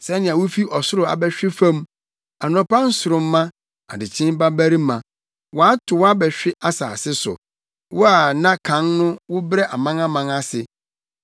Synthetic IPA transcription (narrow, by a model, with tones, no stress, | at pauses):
sɛ˦nɪ̃˨ã˨wʊ˦fi˦ʔɔ˨sʊ˦ɾʊ˦˨a̰˨bɛ˦ɕᶣɪ˦fã˦m | a˨nʊ̃˨pã˦n˦sʊ˨ɾʊ̃˨mː˦ã˦ | a̰˨dɪ˨t͡ɕʰɪ̃˦m˦ba˦bæ˦ɾi˦mã˨ | wa˦tʰʊ˨wa˦bɛ˨ɕᶣɪ˦ʔa˦saː˨sɪ˦sʊ̰˨ | wʊ˦a˨nã˦kʰã˨˦nnʊ̃˦wʊ˦bɾɛ˦ʔa˨mã˦ŋa˦mã˨ŋa˦sɪ˨